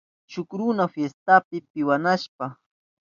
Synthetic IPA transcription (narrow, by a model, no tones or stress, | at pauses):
t͡ʃʊkɾʊnafjest̪apɪpɪwanaʃpa